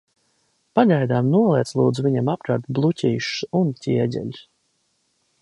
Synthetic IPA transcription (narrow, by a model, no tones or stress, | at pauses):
paʎʲajd̪aːmnuɔlˠiɛt̪slˠuːd̪zuvʲiɲamap̚kɾaɾt̪blˠucʲiːʃuncʰʲiɛɟʲɛ̰ʎʲs